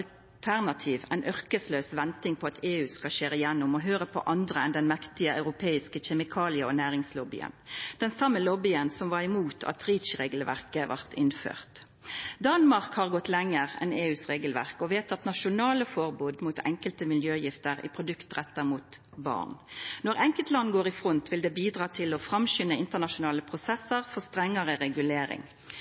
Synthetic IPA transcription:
l | t̪ʰæʁnɑt̪ʰiːʋæ̰ɪnʔœʁkəsløːsʋɛnt̪ɪŋpʰɔɑt̪ʰeːʉːskɑʃeːɾəjɛnːʊmɔɦøːʁəpʰɔ̰ʔɑnd̪ʁəɛnd̪ɛnmɛkt̪ɪəɑ̰ʉʁʊpʰeːɪskəçɛmɪkʰɑːlɪəɔnæːʁɪŋslɔbɪ̰ə̰nd̪̥ɛnsɑmːəlɔbɪənsɔmʋɑʁɪmuːt̪ʰɑ̰t̪ʁiːt̪ʃʁeːɡəlʋæ̰ʁkəʋæ̰ʁt̪ʰɪnfø̰ːʁt̪ | d̪ɑnmɑʁkhɑʁɡɔt̪lɛŋːəʁɛ̰neːʉːsʁeːɡəlʋæ̰ʁkɔʋeːt̪ɑt̪nɑʃʊnɑːləfɔʁbuːd̪muːt̪ʰɛ̰ŋkəlt̪əmɪljøːjɪft̪əʁɪ̰pʰʁʊd̪ʉkt̪ʁɛt̪ːɑmuːt̪ | bɑ̰ʁnnɔʁɛŋkəlt̪lɑnːɡoːʁɪfʁɔnt̪ʰʋɪld̪ɛːbiːd̪ʁɑːt̪ʰɪlɔfʁɑmɕʏnəɪnt̪əʁnɑʃʊnɑːləpʰʁʊsɛsəʁfɔʁst̪ʁɛŋːəʁəɾɛɡʉleːɾɪ̰ŋ

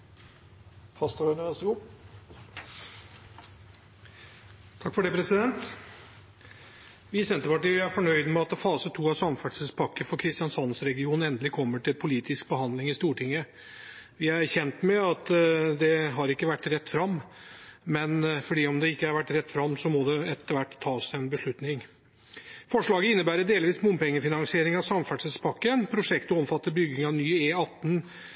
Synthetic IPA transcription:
fʰɑst̪əɾœnəʋæsəɡuː | t̪ʰɑkːfɔɖɛpʰɾɛsɪd̪ɛnt̪ | ʋɪsɛnt̪əɾpɑʈiːʋɪæɾfɔɳœʏd̪mɛɑt̪fɑːsət̪ʰuːɑsɑmfæʈsəspʰɑkːəfɔɾkʰɾɪst̪ɪjɑnsɑnsɾɛɡɪuːnɛnd̪əlɪkʰɔmːəʈɪlpʰʊliːt̪ɪsk̚bəhɑnd̪lɪŋɪst̪uːʈʰɪŋːə | ʋɪææɾçɛnt̪mɛɑt̪d̪ɛɦɑɾɪkːəʋæʈːɾɛt̪ːfɾɑmː | mɛnfɔɖiːɔmd̪ɛɪkːəæɾʋæʈːɾɛt̪ːfɾɑmːsɔmɔd̪ɛɛt̪ːəɾʋæʈːt̪ʰːɑːsɛnbəʂɭʉt̪nɪŋ | fɔʂɭɑːɡəɪnːəbæːɾəd̪eːlʋiːsmʊmpɛŋːəfɪnɑŋsɪeːɾɪŋɑʋsɑmfæʈʂəspʰɑkːənpʰɾʊʂɛkt̪ɔɔmfɑt̪ːəɾbʏɡːɪŋɑʋnyːeːɑt̪ːn

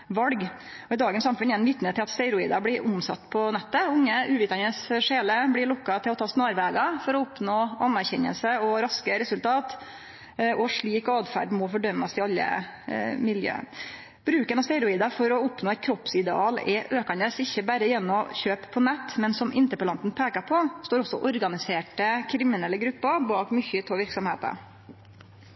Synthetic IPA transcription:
ʋɑlɡ | ɔɪd̪ɑːɡənsɑmfʉnɛnʋɪt̪ːnət̪ɪlɑt̪st̪æɪɾʊḭːd̪ɑblɪɾʔʊmsɑ̰t̪ːpʰɔnɛt̪ːəʊŋːəʉːʋɪːt̪ɑnəsʂeːləblɪɾɭɔkːɑt̪ʰɪlɔt̪ʰɑːsnɑːɾʋɛːɡɑfɔɾɔʊpnoːɑnːæɾçɛɲːə̰lsəɔɾɑskəɾɛsʉlt̪ʰɑːt̪ | ʔɔʂɭiːkɑːd̪fæ̰ɖmɔfɔɖœmːɑst̪ɪɑlːə̰ | mɪljø̰ːə̰ | b̥ɾʉːkənɑst̪ɛɾʊiːd̪ɑfɔɾɔʊpnoːɛɪt̪̚kʰɾɔpsɪd̪ɛɑːlɛʔøːkɑnd̪əsɪçːəbæɾəjɛnːɔçøːppʰːɔnɛt̪ːmɛnsɔmʔɪ̰nt̪əpəlɑnt̪n̩pʰeːkɑpʰɔst̪oːɾɔsːɔʔɔɾɡɑnɪseːʈəkʰɾɪmɪnɛlːəɡɾʉpːɑbɑːkmʏçʏt̪ʰɔʋɪɾksɔmheːt̪ə̰

